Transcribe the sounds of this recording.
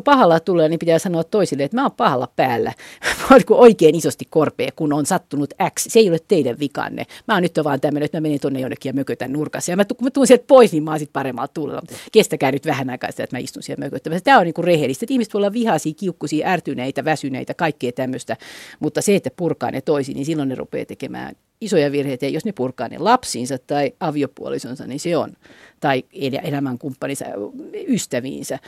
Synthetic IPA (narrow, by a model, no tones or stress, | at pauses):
pɑhɑlɑt̪ulːelːɑnimpit̪æːsɑnoɑt̪t̪oisilːeet̪mæomppɑhɑlɑ̰pæːlːæ̰monikuʔoikeːnisost̪ikkorpḛːkunonsɑt̪ːunut̪æksseeiolet̪t̪eidæʋʋikɑ̰nːḛmæonyt̪ːoʋɑːnt̪æmːøneet̪mæmenent̪onːejonːekːijɑmøkøt̪ænnurkɑsːɑjɑmæt̪ukumæt̪uːnsielt̪̚poisnimmɑːsit̪̚pɑremːɑ̰lt̪t̪ulːḛlːɑ̰mut̪kest̪ækæːnyt̪ʋæhænɑikɑ̰ːnsit̪æ̰et̪mæḭst̪unsielmøkøt̪ːæmʋæsæt̪æːoniːŋkurrehelist̪et̪ihmiset̪ʋoiolːɑʋʋihɑsiːkiukːusiːʔært̪yneit̪æʋæsynḛit̪ækɑikːeːt̪æmːøst̪æmut̪ːɑseet̪ːæpurkɑ̰ːnʔḛt̪oisḭːninsilːonnerṵpḛːt̪ekemæ̰ːn | isojɑʋirheit̪æjɑjosnepurkɑːnḛlɑpsiːnsɑt̪tɑiɑʋiopṵo̰lisonsɑ̰nniseo̰nt̪ɑielæ̰elæmæŋkumpːɑnisɑ̰yst̪æʋḭːnsæ